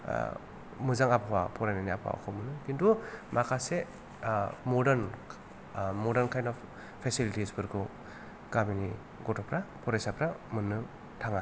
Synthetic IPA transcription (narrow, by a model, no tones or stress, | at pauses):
mɯzaŋapʰawa̰pʰɔɾajnajnia̰pʰawa̰kʰɔmɯnɯkintumʔakʰase | mɔdɐɾn | mɔdɐɾnkʰajnɔp | pʰesilitispʰɯɾkʰu | ɡ̥amini | ɡɔtɔpʰɾapʰɔɾajsapʰɾamɯnɯ | tʰaŋa